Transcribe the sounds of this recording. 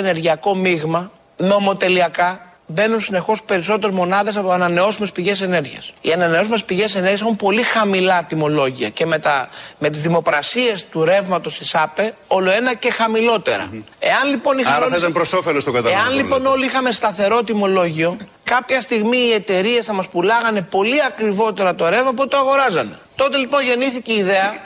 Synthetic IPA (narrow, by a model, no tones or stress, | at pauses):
ene̞ɾʝiɐko̞miɣmɐ | no̞mo̞t̪e̞liɐkɐ | be̞nunsine̞xo̞spe̞ɾis̬o̞t̪e̞ɾezmo̞nɐðe̞s̬ɐpoɐnɐne̞o̞sume̞spiʝe̞se̞ne̞ɾʝiɐ̰sḭɐnɐneo̞s̬ume̞spiʝe̞se̞ne̞ɾɣeɐs̬eumpo̞lixɐmilɐt̪imo̞lo̞ʝiɐ̰ce̞met̪ɐme̞t̪izðimo̞kɾɐsie̞st̪uɾe̞vmɐt̪o̞st̪isɐpe̞o̞lo̞e̞nɐce̞xɐmilo̞t̪e̞̰ɾɐ̰ | e̞ɐnlipo̞nixɐit̪ɐpɾosofelost̪oɡɐt̪ɐeɐnlipo̞no̞liixɐme̞st̪ɐθe̞ɾo̞t̪imo̞lo̞ʝio̞ | kɐpçɐst̪iɣmiːe̞t̪e̞ɾie̞sθɐmɐspulɐɣɐne̞po̞liɐkɾivo̞t̪e̞ɾɐt̪o̞ɾe̞vmɐp̬ot̪et̪oɐɣo̞ɾɐzɐne̞t̪o̞t̪e̞lipo̞nʝe̞niθiceiðe̞ɐ